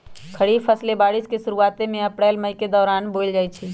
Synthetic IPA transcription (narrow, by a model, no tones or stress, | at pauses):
kʰɐɽiːfʰɐslebaːɽɪskesʊɾuaːt̪emẽɐpɽɛːlməiked̪ɔːɾaːnboːld͡ʒaːit͡ʃʰiː